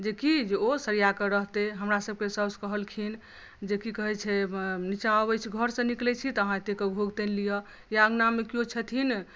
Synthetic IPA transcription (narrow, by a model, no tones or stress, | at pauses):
d͡ʒekid͡ʒeosəɾijakeɾəɦt̪eɦəmɾasəb̚kesəskəɦəlkʰin | d͡ʒekikəɦɛt͡ʃʰɛnit͡ʃabɛjt͡ʃʰɡʱəɾsə̃niklɛt͡ʃʰit̪əɦãt̪ekeɡʱoɡt̪enlijɔ | jaəɡnamekiot͡ʃʰət̪ʰin